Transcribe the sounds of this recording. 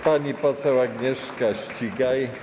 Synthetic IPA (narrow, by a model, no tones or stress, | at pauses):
paɲipɔsɛwaɡɲɛʂkaɕt͡ɕiɡaj